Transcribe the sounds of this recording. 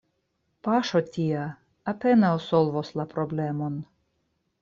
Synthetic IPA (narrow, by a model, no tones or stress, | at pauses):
paʃotʲiaː | penawsolvoslapɾoblemo̞n